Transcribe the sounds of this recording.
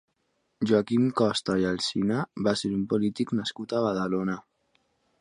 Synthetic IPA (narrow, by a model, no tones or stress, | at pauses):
ʒoakimkɔst̪ajalsinaβaseɾumpolit̪iknaskut̪aβ̞aðalona